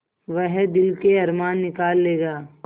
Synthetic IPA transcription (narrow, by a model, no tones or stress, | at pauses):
ʋəɦd̪ɪlkeɐɾmaːnːɪkaːlːeːɡaː